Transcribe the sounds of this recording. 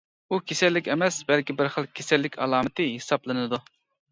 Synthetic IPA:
ukʲʰesɛlːɪkʲɛmɛsbɛlkʲibɪɾχəlˠkʲʰesɛlːɪkʲɑlˠɑːmɨt̪ʰɨɦesɑplˠɨnɨd̪u

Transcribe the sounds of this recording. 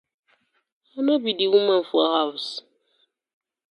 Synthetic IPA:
anobidiwumãɱ̩fuahaws

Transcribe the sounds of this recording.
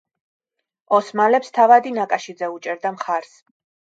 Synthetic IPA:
ɔsmalɛpst̪ʰavad̪inakʼaʃid̪zɛut͡ʃʼɛɾd̪amχaɾs

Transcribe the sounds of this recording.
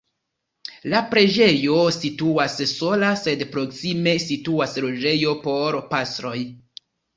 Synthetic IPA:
lapɾe̞d͡ʒe̞jo̞situasso̞lase̞dpɾo̞ksime̞situaslo̞d͡ʒe̞jo̞po̞ɾpastɾo̞j

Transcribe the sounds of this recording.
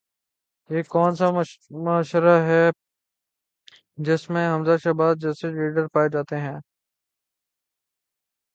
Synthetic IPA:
jeːkɔːnsamaːʃəɾaɦɛː | d͡ʒɪsmẽɦɐmzaʃɐbaːd̪̚d͡ʒɛːseɾiːɖəɾpaːed͡ʒaːt̪eɦɛ̃ː

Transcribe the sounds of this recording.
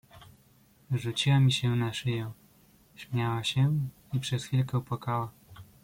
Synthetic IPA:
ʐut͡ɕiwamʲiɕɛnaʂɘjɛ̃ | ɕmʲjawaɕɛ | ipʂɛsfʲilkɛupwakawa

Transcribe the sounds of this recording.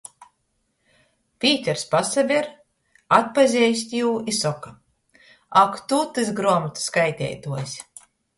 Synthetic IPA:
pʲiːt̪ʲɛɾspasavʲiɾ | at̪̚pazʲɛjsʲt̪ʲjuːisɔkḁ | akt̪ut̪ɨzɡɾuɔmut̪skajt̪ʲɛ̰ːjt̪uɔsʲ

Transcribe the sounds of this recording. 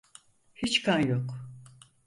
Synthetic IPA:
hit͡ʃkʰanjok

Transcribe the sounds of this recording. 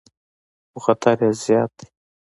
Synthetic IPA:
ʊxat̪ʰaɾjazjɑːt̪̚i̥

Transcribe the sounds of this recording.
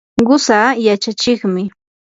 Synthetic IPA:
ɢʊsaːjat͡ʃat͡ʃɪχmɪ

